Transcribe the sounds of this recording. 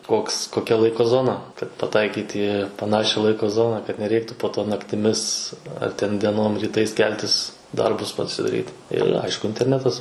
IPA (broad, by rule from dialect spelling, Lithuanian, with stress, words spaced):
ˈkoːks koːˈkʲɛ ˈlˠɐɪkoː ˈzoːnɐ kɐt pɐˈtɐɪkʲiːt iː pɐˈnɑːʃʲɛ ˈlˠɐɪkoː ˈzoːnɐ kɐt nʲɛˈrʲɛɪktʊ poː ˈtoː nɐktʲɪˈmʲɪs ɐr tʲɛn dʲiɛˈnoːm rʲiːˈtɐɪs ˈkʲɛlʲtʲɪs ˈdɐrbʊs pɐsʲɪdɐˈrʲiːt ɪr ˈɐɪʃkʊ ɪnʲtʲɛrʲˈnʲæːtɐs